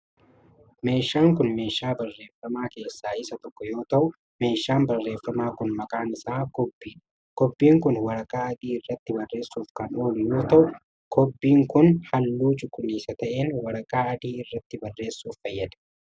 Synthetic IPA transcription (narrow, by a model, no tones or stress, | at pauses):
me̞ːʃːaːŋkʊnme̞ːʃːaːbɐrːe̞ːfɐmaːke̞ːsːaːɪsɐt̪ɔkːɔjo̞ːt̪ɐʔʊ | me̞ːʃːaːnbɐrːe̞ːfːɐmaːkʊnmɐkʼaːnɪsaːkɔbi | kɔbːiːŋkʊnwɐɾɐkʼaːɐd̪iːɪrːɐt̪ːɪbɐrːe̞ːsuːfkɐnoːlʊjo̞ːt̪ɐʔʊ | kʰɔbːiːŋkʊnhɐlːuːt͡ʃʼʊkʼʊniːsɐt̪ɐʔenwɐɾɐkʼaːɐd̪iːɪrːɐt̪ːɪbɐrːe̞ːsːuːffɐjːɐd̪ɐ̥